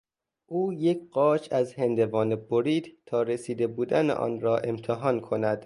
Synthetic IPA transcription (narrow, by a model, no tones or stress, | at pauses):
ʔuːjecʰɢɒːt͡ʃʰæzhend̪evɒːneboɾiːd̪t̪ʰɒːɾesiːd̪e̞buːd̪ænḛʔɒ̰ːnɾɒːʔe̞mt̪ʰeɦɒːnkʰo̞næd̪̥